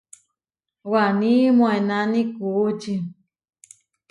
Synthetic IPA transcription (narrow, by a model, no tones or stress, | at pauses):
wanĩmõenanĩkuːt͡ʃi